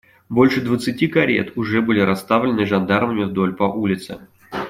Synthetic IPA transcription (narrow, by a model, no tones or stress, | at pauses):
bo̞lʲʂɨd̪vət̪sɨtʲikɐɾʲḛt̪ʊʐɛbɨlʲɪɾʔɐst̪avlʲɪnɨʐand̪arməmʲɪvd̪o̞lʲpɐʔulʲɪt̪sɨ̰